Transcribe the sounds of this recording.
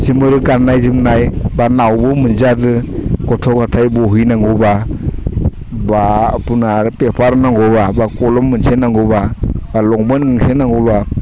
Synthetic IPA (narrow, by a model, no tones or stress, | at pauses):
zimɯɾɯkanːajzimnajbanawbɔmɯnzadɯkɔtʰɔkatʰajbɔɦɯjnaŋɡɔba | bapunaɾpepʰaɾnaŋɡɔbabakɔlɔmːɯnsenaŋɡɔbabalɔŋbɯnɡaŋsenaŋɡɔla